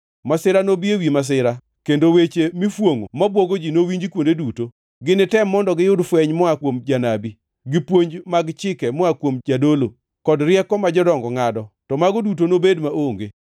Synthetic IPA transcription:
masɪɾanobiewimas̬ɪɾa | kendowet͡ʃemifwoŋo̰mabwɔɡod͡ʒinowiɲd͡ʒikwondeduto | ɡɪnɪtɛmːɔndɔɡɪjʊdfwɛɲmɔakwomd͡ʒanabi | ɡipwoɲd͡ʒmaɡt͡ʃɪkɛmɔakwomd͡ʒadolo | kɔdɾɪjɛkɔmad͡ʒɔdɔŋɡɔŋadɔtɔmaɡɔdut̬onobedmaʔoŋɡe

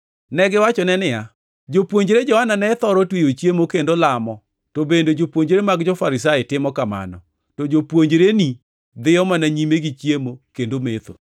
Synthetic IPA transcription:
nɛɡɪwat͡ʃɔnɛnɪja | d͡ʒopwoɲd͡ʒɾed͡ʒɔhananɛt̪ɔɾɔtwejot͡ʃjemokendolamɔ | tobendod͡ʒopwoɲd͡ʒɾemaɡd͡ʒɔfaɾɪs̬aɪtɪmɔkama̰nɔ̰ | tɔd͡ʒopwoɲd͡ʒɾeni | d̪ɪɔmanaɲimeɡit͡ʃjemokendomet̪o̰

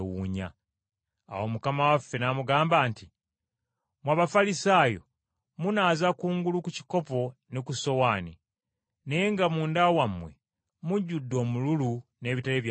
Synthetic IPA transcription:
wuɲa̰ː | womukamawafːe̞namuɡaːmbaːnti | mwaβafalisaːjo̞̰ | munaːzakuːŋɡulukuci̥ko̞po̞nekuso̞waːni | ne̞jeŋɡamuːndawamwe̞̰ | muɟːudːo̞ːmululune̞ːβitaleːβj

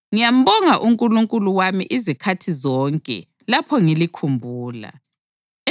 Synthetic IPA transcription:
ŋijam̩bɔŋaʔuŋkʼuluŋkʼuluwamḭʔizikʰatʰizɔːŋkʼɛ̰ | lapʰɔŋilikʰumbʱuːla̰

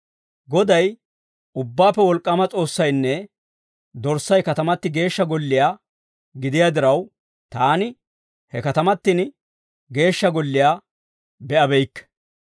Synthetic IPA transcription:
ɡɔd̪ɐj | ʊbːaːpːɛwɔlkʼːɐmɐt͡sʼo̞ːsːɐjnːɛ | d̪ɔɾsːɐjkɐt̪ɐmɐt̪ːɪɡe̞ːʃːɐɡɔlːɪjaː | ɡɪd̪ɪjad̪ɪɾɐw | t̪aːnɪ | hɛkɐt̪ɐmɐt̪ːɪn | ɡe̞ːʃːɐɡɔlːɪjaː | bɛʔɐbɛjkːɛ̥

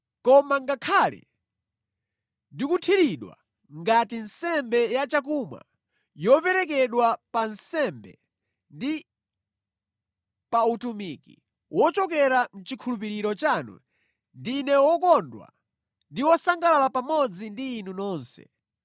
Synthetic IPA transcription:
kɔmaŋɡakʰalɛ̰ | dikutʰiɾiɗwa̰ | ŋɡatinsɛmbɛjat͡ʃakumwa̰ | jɔpɛɾɛk̬ɛɗwapansɛmbɛ̰ | ndi | pautumiki | wɔt͡ʃɔk̬ɛɾam̩t͡ʃikʰulup̬iɾiɾɔt͡ʃanṵ | ndinɛwɔkɔndwa̰ | ndiwɔsaŋɡalalapamɔd͡zindiːnunɔːnsɛ̰

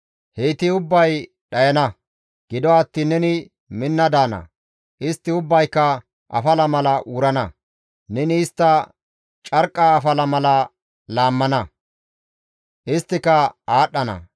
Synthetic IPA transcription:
heːt̪ɪʊbːɐj | ɗɐjɐnɐ | ɡ̥ɪd̪ɔɐt̪ːɪnɛnɪ | mɪnːɐd̪aːnɐ̰ | ʔɪst̪ːɪʊbːɐjkːɐ | ʔɐ̰fɐlɐmɐlɐʔuːɾɐnɐ | nɛnɪːst̪ːɐ | t͡ʃʼɐɾkʼːaːfɐlɐmɐlɐ | laːmːɐnɐ | ʔɪst̪ːɪkɐaːɗːɐnɐ̰

